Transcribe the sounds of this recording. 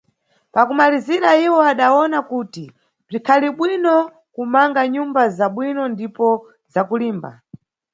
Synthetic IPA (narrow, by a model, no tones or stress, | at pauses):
pakumaliziɾaiwɔaɗaɔnakuːti | b͡ʐikʰaliɓwinɔ | kumaŋɡaɲumbazaɓwinɔndipɔ | zakuliːmba̰